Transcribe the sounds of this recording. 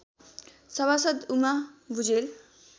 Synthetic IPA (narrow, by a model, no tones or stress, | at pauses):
sʌβasʌd̪umabʱud͡zel